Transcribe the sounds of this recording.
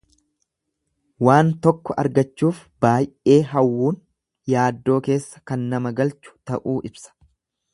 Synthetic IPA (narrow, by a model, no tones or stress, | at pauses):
waːnt̪ɔkːɔʔɐ̰ɾɡɐt͡ʃːuːfbaːjʔʔe̞ːɦɐwːuːn | jaːd̪ːo̞ːke̞ːsːɐ̥kɐnːɐmɐɡɐlt͡ʃʊ̥t̪ɐʔuːʔɪbsɐ̥